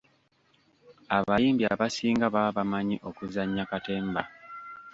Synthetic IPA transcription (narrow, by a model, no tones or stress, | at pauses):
aβajiːmbia̰βasiːŋɡaβaβamaɲiʔo̞kuzaɲːakate̞ːmba̰